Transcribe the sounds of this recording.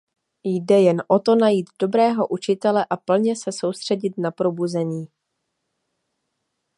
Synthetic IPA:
jdɛjɛnʔo̞t̪o̞najiːt̪do̞bɾɛːɦo̞ʔut͡ʃɪt̪ɛlɛʔapl̩ɲɛsɛso̞wst̪r̝̥ɛɟɪt̪napɾo̞buzɛɲiː

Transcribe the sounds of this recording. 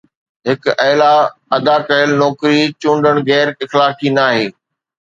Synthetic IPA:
ɦɪkɐːlaɐd̪akɐɦəlnɔːkɾit͡ɕũːɳɖəɽ̃ɣɛːɾɪxlaːkʰinaːɦeː

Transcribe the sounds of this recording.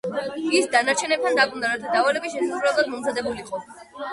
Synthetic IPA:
isd̪anaɾt͡ʃʰɛnɛp̚t̪ʰand̪akʼumd̪aɾat̪ʰad̪avalɛbiʃɛsasɾalˠad̪mɔmzad̪ɛbuliqʼɔ

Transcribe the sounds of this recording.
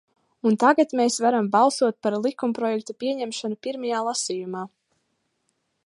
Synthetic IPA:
unt̪aɡat̪meːsvaɾambɑlˠsuɔt̪̚paɾlˠikumpɾɔjɛk̚t̪upiɛɲɛmʃanupiɾmajaːlˠasijumaː

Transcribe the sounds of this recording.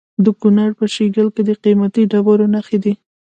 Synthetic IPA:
d̪əkunaɽpəʃeɡəlked̪əqimat̪iɖabɑɾonaxed̪i

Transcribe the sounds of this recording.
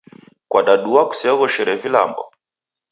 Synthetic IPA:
kwaɗaɗuwaku̥sɛɔɣɔʃɛɾɛvila̰mbɔ̰

